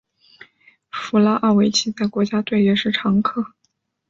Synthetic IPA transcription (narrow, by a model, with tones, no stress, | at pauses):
fu˧˥la˥ʔa˥˩we˧˥ɪt͡ɕʰi˧˥t͡sa˥˩ɪkwɔ˧˥t͡ɕja˥t̪we˥˧ɪɥɛ˥˩ʂɻ̩˥˩ʈ͡ʂʰɑ˧˥ŋkʰɤ˥˩